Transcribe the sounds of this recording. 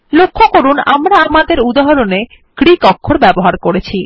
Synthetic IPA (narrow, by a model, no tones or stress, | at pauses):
lokʰːokoɾunamɾaamad̪eɾud̪aɦoɾone | kɾikɔkʰːoɾbɛboɦaɾkoɾet͡ɕʰi